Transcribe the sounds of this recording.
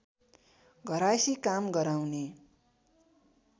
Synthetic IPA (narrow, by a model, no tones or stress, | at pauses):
ɡʱʌɾasikamɡʌɾawne